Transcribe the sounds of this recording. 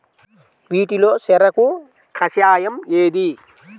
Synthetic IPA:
ʋiːʈiloːsɛɾɐku | kʰɐsjaːjɐmeːd̪i

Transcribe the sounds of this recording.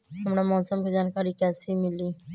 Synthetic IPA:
ɐmɽamɔːsəmked͡ʒaːnkaɾikɛːsimɪli

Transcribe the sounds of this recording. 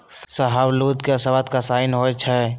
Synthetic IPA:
sɐɦawluːt̪keɐsɐʋat̪kasaːɪnɦot͡ʃʰa

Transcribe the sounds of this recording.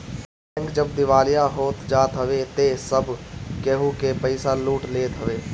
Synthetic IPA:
ɛ̃ːŋkd͡ʒəb̚d̪ɪʋaːlijaɦoːt̪d͡ʒaːt̪ɦəʋet̪esəbkeɦukepəɪsaluːʈleːt̪ɦəʋeː

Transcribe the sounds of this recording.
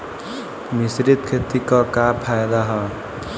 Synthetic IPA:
misɾit̪kʰet̪ikɔkapʰajd̪aɦɔ

